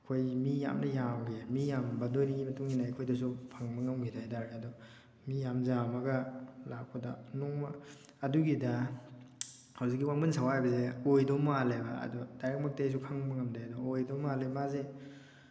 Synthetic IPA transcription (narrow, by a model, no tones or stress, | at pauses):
ɐkʰojmija̰mnɐjamɡemijambɐdojniɡimɐtuŋinaekʰojdɐs̬upʰaŋbɐŋɐmɡʰidajdaɾɡeɐdɔ | mijamzamɐɡɐlak̚pʰɐdɐ̰nɔŋmɐ | ɐduɡidɐ | hawzik̚ːiwamɐnsʰawajbɐzeojdowmaleba̰ɐ̰dɔdajɾek̚mɐk̚tajs̬ukʰaŋbɐŋɐmdajadɔojdowmalemaze